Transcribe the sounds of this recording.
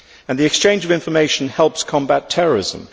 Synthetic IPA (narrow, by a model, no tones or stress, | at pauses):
ə̃nðiɛkst͡ʃʰẽɪ̃nd͡ʒəvɪ̃ɱfəmeɪʃə̃nhɛlˠpskʰɒ̃mbatʰɛɹəɹɪ̰zə̰̃m